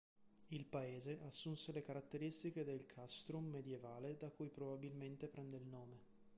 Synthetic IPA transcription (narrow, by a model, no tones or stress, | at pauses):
ilpaeːzeʔasːunselekaɾat̪ːeɾist̪iked̪elkʰast̪ɾumːed̪jevaːled̪akujpɾobabilment̪epɾɛnd̪eilnoːme